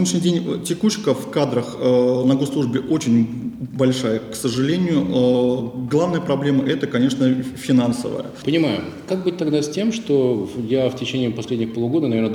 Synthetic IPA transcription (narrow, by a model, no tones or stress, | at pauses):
dʲnʲɪʂnʲɪdʲenʲtʲɪkut͡ɕkəfkad̪ɾəxnɐɡoslˠuʐbʲɪʔo̞t͡ɕɪnʲbɐlʲʂajəksəʐɨlʲenʲɪjʊʔəɡlˠavnəjəpɾɐblʲe̞məʔɛt̪əkɐnʲe̞ʂnəfʲɪnansə̰və̰jə̰pənʲɪmajʊ | kak̚bɨt̚ʲt̪ɐɡd̪asʲtʲe̞mʂt̪ojaftʲɪt͡ɕenʲɪiːpɐsʲlʲedʲnʲɪxpolˠʊɡo̞d̪ənɐvʲern